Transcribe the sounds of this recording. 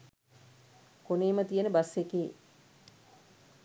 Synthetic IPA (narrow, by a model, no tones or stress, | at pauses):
koneːmət̪ijenəbasekeː